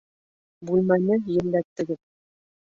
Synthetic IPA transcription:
bʉlmænɘjɘ̆ɾlːæt̪ːɘ̆ɡɘð

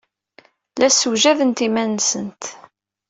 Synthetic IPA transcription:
læsuʒæðənt̪imænsənt̪

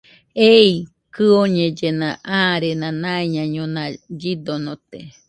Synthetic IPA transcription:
ei | kɨoɲẽd͡ʒenãʔaɾenãnãeɲãɲõnãd͡ʒid̪onõt̪e

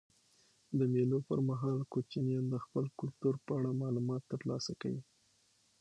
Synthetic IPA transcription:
d̪əmelopəɾmaɦɑlkot͡ʃinjɑnd̪əxpəlkʊlt̪uɾpəaɽamɑlumɑt̪ːəɾlɑsakawi

